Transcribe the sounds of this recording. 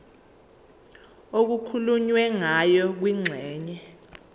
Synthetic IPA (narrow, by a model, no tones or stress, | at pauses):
ok̬ukʰuluɲwɛŋajɔk̬wiŋ͡ǀʱɛːɲɛ